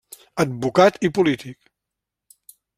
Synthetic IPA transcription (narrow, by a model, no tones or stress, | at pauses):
əd̪̚βukat̪ipulit̪ik